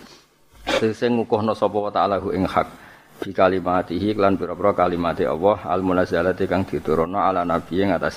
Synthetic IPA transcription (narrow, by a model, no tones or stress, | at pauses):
sisɪŋukʊhnɔsɔpɔwɔt̪alaɦuʔɪŋhak̚ | b̥i̤kalimat̪iɦiklanpiɾɔpɾɔkalimat̪iʔɔ̰wɔha̰lmunazalat̪ikaŋd̪̥i̤t̪uɾonɔalanab̥i̤eŋat̪asi